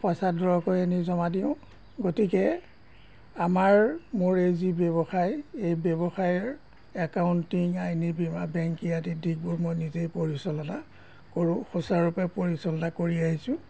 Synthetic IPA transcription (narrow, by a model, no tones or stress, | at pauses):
pɔjsadʱɔɹɔkojanizɔmadiʊ̃ | ɡotikɛ | amaɹmʊɹejzibɔβɔxajejbɛbɔxajɔɹ | ɛkaʊntiŋajnibimabɛŋkiatidʱik̚bɔmojnizejpoɹisɔlɔna | koɹʊ̃xɔsaɹupɛpoɹisɔlɔnakoɹiaɦisʊ̃